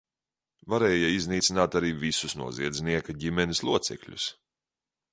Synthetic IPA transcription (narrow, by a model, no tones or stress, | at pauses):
vaɾeːjaizniːt̪sinaːt̪aɾiːvisusnṵɔziɛd̪zʲniɛkaɟimʲɛnislˠuɔt̪sɛ̰kʎʲṵs